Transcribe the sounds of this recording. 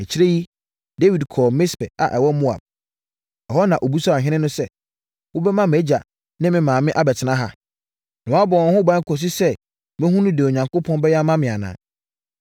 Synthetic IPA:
ɛ˨t͡ɕʰi˦ɾe˦ji˦ | de˦wi˨dkʰɔː˨mɪ̃˦spɛ̰˨a̰˨ʔɛ˨wɔ˦mu˦a̰˨b̚ | ɛ˨ɦɔ˦nã˨ʔo˨bu˦sɔ˦a˨ɦɪ̃˦nɪ̃˦nʊ̃˦sɛ˦ | wo˦bɛ˦mã˦me˦d͡ʑa˨ | nɪ̃˦mɪ̃˨mãː˨mɪ̃˦ʔa˨bɛ˨tʰɪ˨nã˦ɦa˦ | nʊ̃˨a˦bɔ˨ɔ̃˨˦hʊ̃˦bã˦ŋ̩˦kʰɔ˨s̬i˦sɛ˦ | mɪ̃˦hũ˦nũ˦de˨o˨ɲã˨ŋko˦pʰɔ̃˦nbɛ˦jɛ˦a˦mã˦mɪ̃˨a˨nã̰ː˨

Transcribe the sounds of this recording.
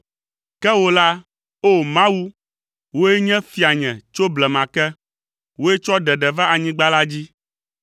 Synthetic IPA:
kɛ˦wo˦la˦ | o˦˨mã˦wu˦ | wo˦e˦ɲɛ̃˦fi˨a˨ɲɛ̃˨t͡ʃo˦blɛ˨mã˨kɛ˦ | wo˦ɛ˦t͡ʃɔ˦ɖɛ˨ɖɛ˨va˦ʔa˨ɲĩ˦ɡ͡ba˦la˦d͡ʑi˦

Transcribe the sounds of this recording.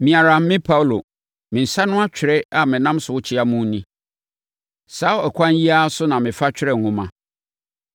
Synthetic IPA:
mĩ˨a˨ɾa˨m̩˦mɪ̃˦pʰa˦wlo˨ | mɪ̃˨n̩˨sa˦nʊ̃˦a˦t͡ɕᶣɾɛ˦a˨mɪ̃˨nã˦msʊ˨wʊ˦t͡ɕʰɪ˦a˦mũ˦nĩ˦ | saː˨˦ɛ˨kʰʷã˦n˦ji˦a˦sʊ˦nã˨mɪ̃˨fa˦t͡ɕᶣɪ˦ɾɛ˨ŋ̩˨hʊ̃˦mã̰˦

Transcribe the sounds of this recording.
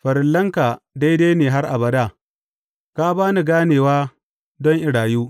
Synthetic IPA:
ɸɐ˨ɾɪ˨lːɐ˦ŋka˨da˦jdeː˦jneː˨ɦa˦rʔa̰˨bɐ˨da˦˨ | ka˦baː˦ni˨ɡaː˦neː˨waː˦ | dɔ˦ŋʔɪ˨ɽaː˨juː˦

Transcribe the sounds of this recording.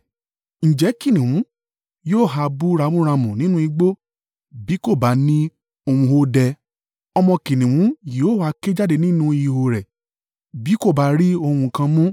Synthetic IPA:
ñ̩˨d͡ʒɛ˨˦ki˦˨nĩ˨wũ˨˦ | joː˦˨ɦa˧bu˦ɾa˧˦wũ˦ɾ̃ã˧mũ˨nĩ˦nũ˦i˧ɡ͡bo˦ | bi˨˦ko˦˨ba˨˦nĩ˦ | o˧hũ˧ho˦dɛ˧ | ɔ˧mɔ̃˧ki˨nĩ˨wũ˨˦ji˨o˦˨a˧ke˦d͡ʒa˦de˧nĩ˦nũ˦i˨˧ho˨ɾɛ˨ | bi˨˦ko˦˨ba˦ɾi˦o˧hũ˧kã˧mũ˦

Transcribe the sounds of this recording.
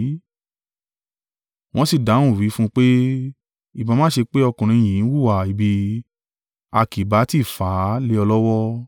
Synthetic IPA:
w̃ɔ̃˦si˨dã˨˦ũ˦˨ɾi˨˦fũ˦k͡pe˦ | i˨ba˨˧mã˦ʃe˧k͡pe˦ɔ˧kũ˨ɾ̃ĩ˧j̃ĩ˨˦wu˦˨wa˨i˨bi˧ | a˧ki˨ba˨˦ti˦˨faː˨˦le˦ɔ˧lɔ˦wɔ˦

